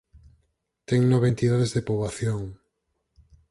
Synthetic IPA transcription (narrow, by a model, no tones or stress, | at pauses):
t̪ɛŋnɔβent̪iðaðezðepoβaθjoŋ